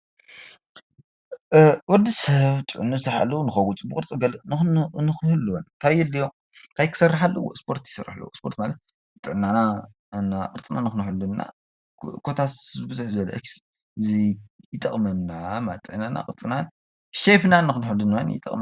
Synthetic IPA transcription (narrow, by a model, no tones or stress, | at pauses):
wɔd̪isɐβt̪ʼɨʕunːɨzɨħa̰lːɐunɨxɐwut͡sʼbɨkʼɨɾt͡sʼiɡɐlɨnnɨxhɨlːnt̪ʰajɛlːijo | kʰajkʰɨ̥sɐrːaħalːɐwo̰spʰo̞ɾt̪ji̥sɐrːa̰ħlːo̰wspʰo̞ɾt̪malɐt̪̚ | t̪ʼɨʕnana | naqʼɨɾt͡sʼɨna̰nxɨnħudunːa̰ | kʰo̞t̪ʰazɨbɨzuħzɨbɐlɐʔeks | ɨzijɪt̪ʼːɐχʼmɐnːamat̪ʼɨʕnana̰kʼɨɾt͡sʼɨnan | ʃefnanːɨkɨnħudunanjɪ̰t̪ʼɐ̰kʼm